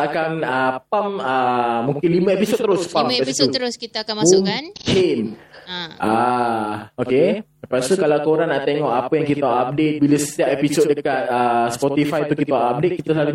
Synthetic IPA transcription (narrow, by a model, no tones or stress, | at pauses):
akanəpaməmuŋkɪnlimə̃episod̪̚t̪əɾʊspampasiut̪əɾʊskit̪akammuŋnkʰɪn | ʔa | okesəpast̪ukalawkoɾaŋnːaʔt̪eŋɔʔapəjaŋkit̪aaʔap̚det̪̚biləsə̥t̪iap̚episot̪̚dəkat̪̚əspɔt̪ifajt̪ukit̪awaʔap̚det̪̚kit̪əsalu